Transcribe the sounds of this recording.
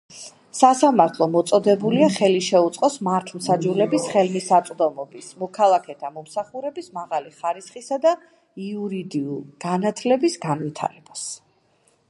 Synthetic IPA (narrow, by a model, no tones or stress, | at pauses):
sasamaɾt̪ʰlˠɔmɔt̪sʼɔd̪ɛbuliaχɛliʃɛut̪sʼqʼɔsmaɾt̪ʰm̩sad͡ʒulɛbisχɛlmisat̪sʼd̪ɔmɔbismɔkʰalˠakʰɛt̪ʰamɔmsaχuɾɛbismaʁaliχaɾisχisad̪a | iuɾid̪iulˠɡ̥anat̪ʰlɛbisɡanwit̪ʰa̰ɾɛb̥as